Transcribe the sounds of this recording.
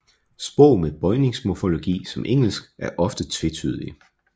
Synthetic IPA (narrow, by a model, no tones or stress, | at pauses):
sb̥ɔʊ̰meðˠb̥ɒ̽ɪne̝ŋsmofo̝lo̝ɡ̥ḭːsɒ̽mʔeŋ̰l̩sɡ̥ʔæɐʔɒ̽fd̥ət͡sʰʋe̝t͡sʰyð̞ˠli